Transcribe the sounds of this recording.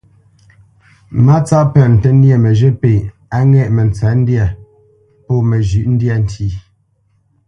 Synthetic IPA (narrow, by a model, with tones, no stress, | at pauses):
ma˦t͡sa˦pə˨n̩˨tə˦n̩˦je˦˨mə˨ʒə˦pe˨ | a˦ŋɛ˦˨ʔmə˨n˨t͡sɛ˨˦n̩˦dja˦˨ | pɔ˦˨mə˨ʒʉ˨ʔn̩˦dja˦˨n̩˨tʰi˦˨